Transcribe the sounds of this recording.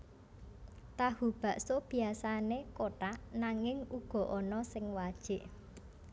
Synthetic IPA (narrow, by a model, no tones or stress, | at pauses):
t̪aɦub̥a̤ʔsob̥i̤asanekoʈaʔnaŋɪŋuɡ̥ɔ̤ʔɔnɔsɪŋwad̥ʒ̥ɪ̤ʔ